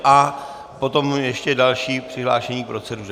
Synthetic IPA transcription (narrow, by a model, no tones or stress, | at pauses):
ʔa | po̞t̪o̞mjɛʃcɛdalʃiːpr̥ɪɦla̰ːʃɛɲiːpɾot͡sɛduʒ